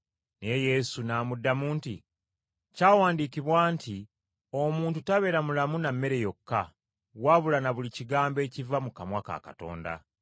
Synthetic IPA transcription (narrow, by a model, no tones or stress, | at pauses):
neje̞sunaːmudːamuːntḭ | caːwaːndiːkiβwaːnti | o̞muːntutaβe̞ːɾamulamunamːe̞ɾe̞jo̞kːa | waβulanaβuliciɡaːmbe̞ːcivamukamwaːka̰ːka̰to̞̰ːnda̰